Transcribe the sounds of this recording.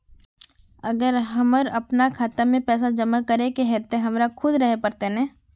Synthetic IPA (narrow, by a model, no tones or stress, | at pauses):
ɐɡəɾɦɐməɾɐpnakʰaːt̪amẽpɛːs̬ad͡ʒɐmakɐɾekeɦɛt̪eɦɐmɾakʰʊd̪ɾəɦepɐɾt̪enɛ̃ː